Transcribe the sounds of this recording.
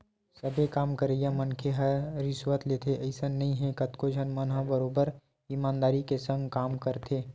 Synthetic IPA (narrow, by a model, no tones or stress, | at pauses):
sɐbʱekaːmkəɾeɡjãmɐnkʰeɦɐɾɪsʋət̪leːt̪ʰeʔɐɪsənnɐɦĩɦɛ̃kɐt̪kod͡ʒʱənmənɦãbəɾoːbəɾ | iːmaːnd̪aːɾikesɐ̃ŋɡkaːmkəɾt̪ʰeː